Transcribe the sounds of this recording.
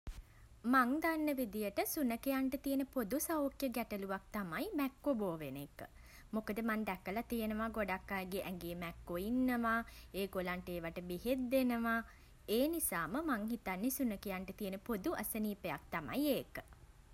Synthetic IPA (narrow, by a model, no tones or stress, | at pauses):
maŋd̪anːəʋid̪ijəʈəsunəkejaɳʈət̪ijənəpod̪usaokjəɡɛʈəluʋak̚t̪amajmɛkːoboːʋenekə̰ | mokəd̪əmand̪ɛkːəlat̪ijənəʋaɡoɖakːajɡeʔɛŋɡeːmɛkːoinːəʋaeːɡolaɳʈəeːʋaʈəbiɦet̪̚d̪enəʋa | eːnisaːməmaŋɦit̪anːesunəkejaɳʈət̪ijənəpod̪uʔɐsəniːpeja̰k̚t̪ama̰jeːkə